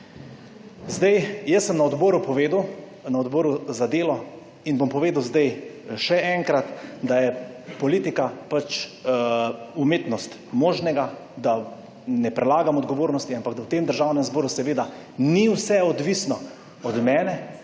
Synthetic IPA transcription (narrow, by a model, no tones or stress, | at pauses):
zd̪ajjəsːəmnaɔd̪bɔːɾupɔʋeːd̪w | naɔd̪bɔːɾuzad̪eːlɔ | inbompɔʋeːd̪əwzd̪ajʃɛʔɛŋkɾat̪d̪ajɛpɔliːt̪ikapat͡ʃ | umeːt̪nɔst̪ | moːʒnɛɡad̪a | nɛpɾɛlaːɡamɔd̪ɡɔʋoːɾnɔst̪iampaɡd̪awt̪eːmd̪əɾʒaːwnɛmzbɔːɾusɛʋeːd̪a | niwsɛɔd̪ʋisnɔ | ɔd̪mɛːnɛ